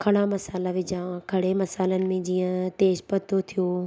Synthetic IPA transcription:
kʰɐɽ̃amɐsaːlaʋɪd͡ʑãkʰɐɽemɐsaːlənɪ̆mẽd͡ʑiːə̃t̪eːʃpɐt̪ʰot̪ʰijoː

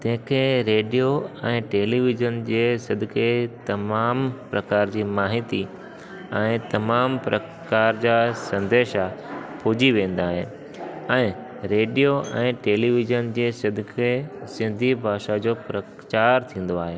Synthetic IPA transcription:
t̪ɐ̃ɦɪ̃kʰeːɾeːɖijoɛ̃ːʈeːliʋɪʒənd͡ʑeːsɐd̪ʱɪket̪ɐmaːmpɾɐkaːɾd͡ʑiːmaːɦɪt̪i | ɛ̃ːt̪ɐmaːmpɾɐ | kaːɾd͡ʑaːsɐ̃nd̪eːʃapoːd͡ʑiʋẽːn̆d̪aːɦe | ɛ̃ː | ɾeːɖijoʔɛ̃ːʈeːliʋɪʒənd͡ʑeːsɐd̪ʱɪkʰesɪ̃nd̪ʱibʱaːʃad͡ʑoːpɾɐ | t͡ɕaːɾt̪ʰĩːn̆d̪oaːɦeː

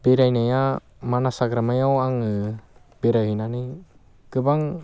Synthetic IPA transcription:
biɾajnaja | manasaɡɾamajawaŋɯ | beɾaɡinanɯj | kɯbaŋ

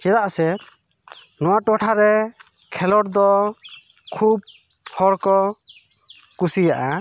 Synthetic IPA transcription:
kɛd̪aʔsɛ | nɔwaʈɔʈʰaɾɛ | kʰɛlɔɾd̪ɔ | kʰub̚ | hɔɽkɔ | kusijaʔa

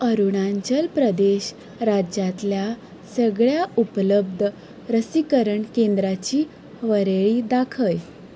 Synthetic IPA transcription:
əɾuɳ̃aɲd͡ʑəlpɾəd̪eɕ | ɾad͡ʑjat̪lja | səɡɭjaupləbd̪ʱ | ɾəsikəɾəɳkend̪ɾat͡ɕiː | ʋəɾeɭiːd̪akʰəj

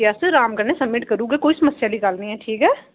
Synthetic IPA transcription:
jaːsɪɾaːmkɐɾnesɐmːɪʈkɐɾuːɡɛkoːisɐmɐsjalikaːlnĩɦɛʈʰiːkɦɛː

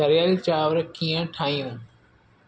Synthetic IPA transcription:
ɐɾɪjaːlit͡ɕaːʋɾkʰːiːə̃ʈʰãːĩjũː

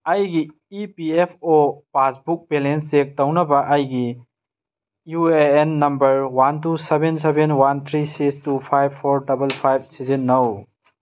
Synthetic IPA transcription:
ɐjɡi | ipiepʰopasbuk̚belenstek̚tɐwnɐbɐʔɐjɡi | jueenːɐmbɐɾwantusebens̬ebenwant̪ʰɾisikstupʰajbʰːoɾdɐbɐlpʰajb̚sizinːɐw

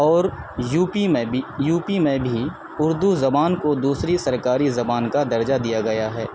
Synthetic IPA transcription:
ɔːɾ | juːpimẽijuːpimẽbʱi | ʊɾd̪uzɐbaːnkod̪uːsɾisɐɾkaːɾizɐbaːnkad̪ɐɾd͡ʒad̪ijaɡɐjaɦɛː

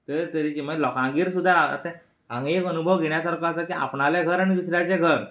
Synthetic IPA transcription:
t̪əɾt̪əɾit͡ɕiməlɔkãŋɡiːɾsud̪ʱːaə̰t̪ã | ãŋɡekənubʱəʋɡʱeɳjasaɾkaəsakiʔa̰pɳaljeɡʱəɾaɽ̃id̪usɾjat͡seɡʱəɾ

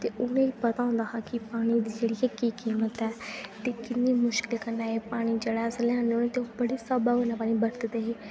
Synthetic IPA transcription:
t̪eːʔʊnẽiːpət̪aːʊ̃nd̪aːɦakɪpaːɽ̃iːd̪iːd͡ʒeːɽiakiːkiːmət̪ɛːt̪eːkɪnːiːmʊʃkɪlkəɾnaːeːpaːɽ̃iːd͡ʒeɽaːsəlãːnoːnẽːt̪eõbəɽiːsəbaːɡonaːpaːnĩːbəɾt̪d̪eːɦeː

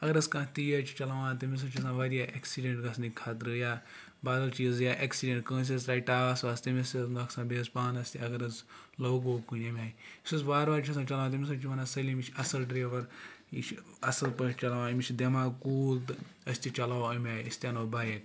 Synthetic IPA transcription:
ɐɡɐɾɐskãːt̪ijɐt͡ʃʰu̥t͡ʃɐlaʋãːt̪ɐmis̬ɐt͡ʃʰis̬ãːʋaːɾijaːʔeksiɖẽɳʈɡɐsnikʰaːt̪ɾɨjaː | baːd̪ɐlt͡ʃiːzjaːʔeksiɖẽɳʈkə̃ːs̬ʲɐsɾaːiʈaːʋaːsʋaːst̪ɐmʲɐsiznɐkʰsãːbeːspãːnɐsʲt̪ʲiɐɡɐɾɐzlɐwɡoːkunɐmʲaːjisɐzbaːɾʋaːɾt͡ʃʰɐsãːt͡ʃɐlaãːt̪ɐmis̬ɐt͡ʃʰimɐnasɐlimit͡ʃʰɐsɐlʈɾeːʋɐɾit͡ʃʰ | ɐsɐlpɐ̃t͡ʃɐlaʋãːmʲit͡ʃʰʲd̪ɐmaːkuːlt̪ɨɐsʲt̪ʲit͡ʃɐlawɐmʲaːjɐsʲt̪ʲjanoːbaːjek

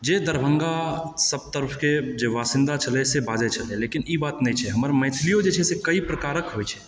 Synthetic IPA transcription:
d͡ʒed̪əɾbʱəŋɡasəb̚t̪əɾəpʰked͡ʒeʋaːsɪ̃nd̪at͡ʃʰəlɛsebad͡ʒɛt͡ʃʰəlɛlekinibaːt̪nɛ̃t͡ʃʰɛɦəməɾmə̃ɪt̪ʰlijod͡ʒet͡ʃʰɛsekəipɾəkaːɾəkɦojt͡ʃʰɛ

